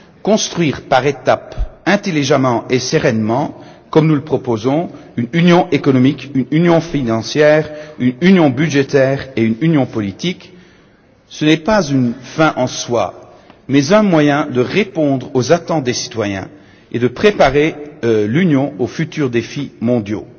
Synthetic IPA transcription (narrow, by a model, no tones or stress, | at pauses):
kɔ̃st̪χɥiːʁpaʁet̪apɛ̃t̪eliʒamɑ̃ʔesəʁɛnmɑ̃ | kɔmnuləpχɔpozɔ̃ynynjɔ̃ʔekɔnɔmikynynjɔ̃finɑ̃sjɛːʁynynjɔ̃byʒet̪ɛːʁeynynjɔ̃pɔlit̪ik | sənɛpazynfɛ̃ʔɑ̃swa̰ | mɛzɛ̃mwajɛ̃d̪əʁepɔ̃d̪ʁozat̪ɑ̃t̪̚d̪esi̥t̪wajɛ̰̃ | ed̪əpχepaʁelynjɔ̃ofyt̪yʁd̪efimɔ̃d̪jo̰